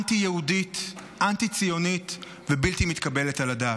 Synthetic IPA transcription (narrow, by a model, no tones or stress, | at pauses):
ntijeuditʔant̪it͡sijo̞nit̪ | vebilt̪imit̪kabe̞letaladaːt